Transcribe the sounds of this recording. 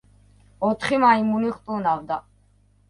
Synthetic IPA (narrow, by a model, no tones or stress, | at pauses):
ɔt̪ʰχimaimuniχt̪ʼunavd̪a